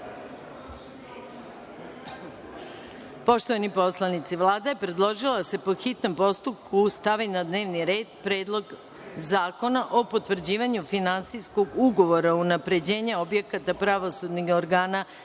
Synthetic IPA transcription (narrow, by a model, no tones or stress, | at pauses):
po̞ʃt̪oʋanipo̞slˠanit̪siʋlˠaːd̪aje̞pɾe̞d̪lˠo̞ʒilˠad̪ase̞po̞xit̪no̞mpo̞st̪up̚kʰust̪aʋinad̪ne̞ːʋniɾe̞ːd̪pɾe̞ːd̪lˠo̞ɡ | zaːko̞naʔo̞po̞t̪ʋr̩d͡ʑiːʋaɲufinansijsko̞ɡuɡo̞ʋo̞ɾaunapɾe̞d͡ʑe̞ːɲao̞bje̞kat̪apɾaʋo̞sud̪nixoɾɡaːna